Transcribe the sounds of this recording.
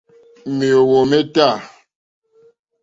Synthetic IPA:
mi˨o˨wo˨me˦ta˦˨

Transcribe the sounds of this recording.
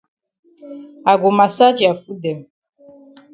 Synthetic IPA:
a˨ɡo˨ma˨sa˦d͡ʒi˨a˨fu˦dɛ˨m

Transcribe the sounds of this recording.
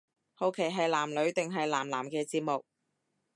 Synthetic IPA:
ho˨wkʰe˨˩jɦɐ˨jlaː˨˩mlɵ˨˧ɥt̪ɪ˨ŋɦɐ˨jlaː˨˩mlaː˨˩mkɛː˧t͡siː˧p̚mʊ˨k̚

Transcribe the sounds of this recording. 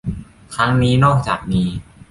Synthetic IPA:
kʰɾa˦˥ŋniː˦˥nɔː˥˩k̚t͡ɕaː˨˩k̚miː˧

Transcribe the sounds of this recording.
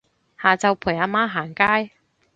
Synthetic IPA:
haː˨t͡sɐ˨˧wpʰuː˨˩jaː˧maː˥ɦaː˨˩ŋkaː˥j

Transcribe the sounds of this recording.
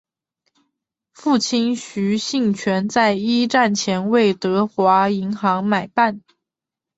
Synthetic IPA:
fu˥˩t͡ɕʰi˥nɕy˧˥ɕi˥˩ŋt͡ɕʰɥɛ˧˥nt͡sa˥˩ɪi˥ʈ͡ʂa˥˩nt͡ɕʰjɛ˧˥nwe˥˩ɪt̪ɤ˧˥xwa˧˥i˧˥ŋxɑ˧˥ŋma˨˩ɪpa˥˩n

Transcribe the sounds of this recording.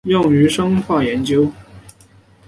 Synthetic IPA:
jʊ˥˩ŋy˧˥ʂɤ˥ŋxwa˥˩jɛ˧˥nt͡ɕjo˥ʊ

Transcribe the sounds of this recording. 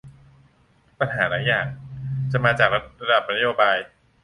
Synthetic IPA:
pa˧nɦaː˩˦laː˩˦jaː˨˩ŋt͡ɕa˨˩maː˧t͡ɕaː˨˩k̚a˧ɾa˧da˨˩p̚na˦˥joː˧baː˧j

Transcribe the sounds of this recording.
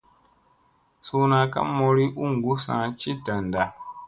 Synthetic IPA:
su˦na˨ka̰˦mɔ˨ɾi˦ʔu˦ŋ˨ɡu˦sã̰˨˦t͡ʃi˦ta˨n˨da˨

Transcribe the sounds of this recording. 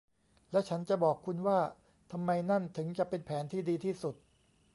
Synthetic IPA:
lɛ˦˥t͡ɕʰa˦˥nt͡ɕa˨˩ʔbɔː˨˩kʰːu˧nwaː˥˩ | t̪ʰa˧mːa˧jna˥˩nt̪ʰɯ˩˦ŋt͡ɕa˨˩ʔpe˧npʰɛː˩˦nt̪ʰiː˥˩diː˧t̪ʰiː˥˩su˨˩t̪̚

